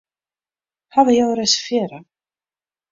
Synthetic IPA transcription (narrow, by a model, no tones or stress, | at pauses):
havɪjɛɣɾejsfjɛːɾa